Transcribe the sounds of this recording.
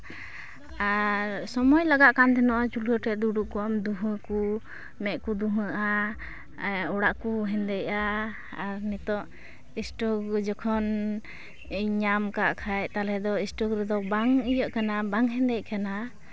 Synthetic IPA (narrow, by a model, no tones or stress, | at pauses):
aɾsɔmɔjlaɡaʔkand̪ɛnɔʔat͡ʃuləʈɛʔd̪uɖuʔkuamd̪uɦəku | mɛʔkud̪uɦəʔa | ɔɽaʔkuɦɛnd̪ɛjaː | ɾnɛt̪ɔʔ | isʈɔɡd͡ʒɔkʰɔn | ɲamkaʔkʰajt̪alɛd̪ɔisʈɔɡɾɛd̪ɔbaŋijəʔkanabaŋɦɛnd̪ɛc̚kana